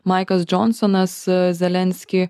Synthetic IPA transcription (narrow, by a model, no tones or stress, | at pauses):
mɑɪkɐsd͡ʒɔnsɔnɐszʲɛlʲɛnʲsʲkʲɪ